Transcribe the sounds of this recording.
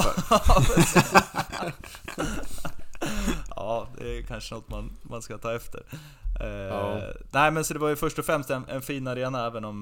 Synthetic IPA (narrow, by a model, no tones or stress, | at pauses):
pʰɾɛsiːs | ɑːd̪ɛ̰kʰanʂənɔt̪ːmanmanskat̪ʰɑːɛft̪ʰə̰ɾ | næɪmɛnsɔd̪ɛvaɾjɵfœʂʈɔfɾɛmst̪ɛnɛ̰nfiːnaɾeːnaɛːvənɔm